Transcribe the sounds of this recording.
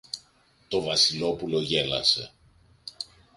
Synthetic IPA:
t̪o̞vɐsilo̞pulo̞ʝe̞lɐ̰se̞

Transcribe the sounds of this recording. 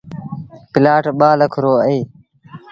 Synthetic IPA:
pɪlaːʈɓaːləkʰɾoːəiː

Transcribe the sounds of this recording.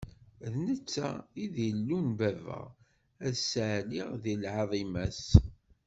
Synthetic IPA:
ðnət͡sːæ̰iðjəlːunvævə̰ʁ | æðsʕliʁðilʕɑðˤimæs

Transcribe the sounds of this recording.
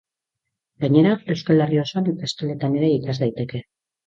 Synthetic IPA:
ɡaɲe̞ɾae̞wskalerio̞soanek̪ast̪ale̞t̪ane̞ɾe̞ikazd̪ajt̪e̞ke̞

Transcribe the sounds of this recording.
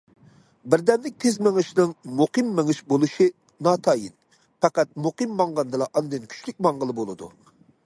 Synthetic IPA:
bɪɾd̪ɛnlɪk̚ʲt̪ʰezmɪŋɨʃnɨŋmuqɨmːɪŋɨʃbolˠuʃɨ | nɑːt̪ʰɑjḭn | pɑqæt̪̚muqɨmːɑŋʁɑnd̪ɨlˠɑʔɑnd̪ɨnkʲʰy̥t͡ʃlyk̚ʲmɑɴʁəlˠɨbolˠɨd̪ṵ

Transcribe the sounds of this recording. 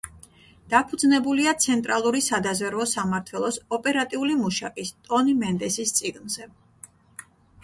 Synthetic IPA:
d̪̥apʰud̪znɛbuliat̪sʰɛnt̪ʼɾalˠuɾisad̪azvɛɾvɔsamaɾt̪ʰwɛlˠɔsɔpʼɛɾat̪ʼiulimuʃakʼist̪ʼɔnimɛnd̪ɛsist̪sʼiɡnz̥ɛ

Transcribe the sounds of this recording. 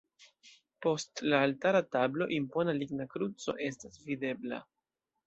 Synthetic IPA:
po̞stlaːltaɾatablo̞ʔimpo̞naliɡnakɾut͡so̞̰ʔe̞stasvide̞bla̰

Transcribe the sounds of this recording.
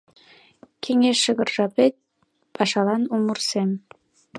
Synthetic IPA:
kʰeŋeʃːəɣə̆rʒɑpet̪̚ | pʰɑʃɑlɑnumursem

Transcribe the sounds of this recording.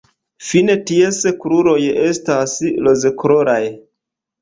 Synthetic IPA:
fine̞tie̞skɾuɾo̞je̞staslo̞zekɾoɾaj

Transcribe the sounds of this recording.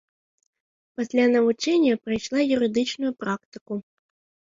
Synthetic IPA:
pɐsʲlʲanɐvut͡ʂɛnʲːɐpɾɨjʂlˠajuɾɨd̪ɨt͡ʂnʊjupɾakt̪ɨku

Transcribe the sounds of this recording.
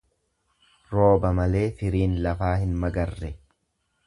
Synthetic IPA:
ɾo̞ːbɐmɐle̞ːfɪɾiːnlɐfaːhɪnmɐɡɐrːɛ

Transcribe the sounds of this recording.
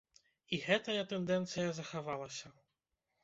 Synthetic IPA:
iɣɛt̪ɐjɐt̪ɛnd̪ɛnt̪sɨjɐzɐxavalˠɐsʲɐ

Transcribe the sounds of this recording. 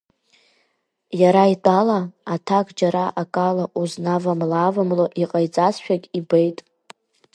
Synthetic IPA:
jaɾaitʼalaːtʰakʼd͡ʒaɾaʔakʼalaʔuznavamlaːvamloʔiqʼajt͡sʼasʃᶣakʲʼibejtʼ

